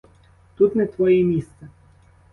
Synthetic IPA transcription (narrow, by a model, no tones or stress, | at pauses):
t̪ut̪nɛt̪ʋɔjimʲist̪sɛ